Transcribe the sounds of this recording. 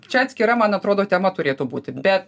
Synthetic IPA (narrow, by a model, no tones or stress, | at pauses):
t͡ʃʲɛɐt̪sʲkʲɪɾɐmɐnɐt̪ɾoːd̪oːt̪ʲɛmɐt̪ʊɾʲeːt̪ubuːt̪ʲɪbʲɛt̪